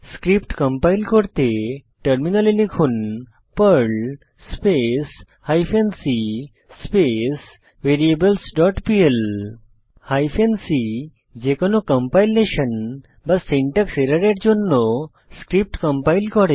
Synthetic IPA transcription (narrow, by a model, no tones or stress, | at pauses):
skɾipʈkə̃mpailkɔɽt̪e | ʈəɾminalilikʰuːn | pəɭ | spes | hajfensi | spes | ʋeɾiebəlsɖɔʈpiel | hajfensi | d͡ʑekɔnokəmpailːeɕən | basːeɳʈəkseɾaɾaʈ̚d͡ʑonːo | skɾip̚ʈkəmpailkɔɽe